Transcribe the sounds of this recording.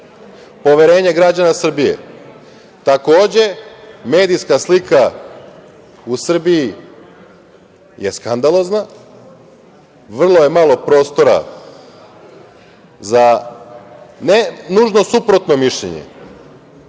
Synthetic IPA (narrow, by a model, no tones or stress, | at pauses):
po̞ʋeɾe̞ːɲe̞ɡɾad͡ʑanasr̩bijḛ | t̪ako̞ːd͡ʑe̞me̞ːd̪ijskaslika | usr̩biji | je̞skand̪alˠo̞zna | ʋr̩lˠo̞je̞malˠo̞pɾo̞ːst̪o̞ɾa̰ | za | nenuʒno̞supɾo̞t̪no̞miʃʎḛɲḛ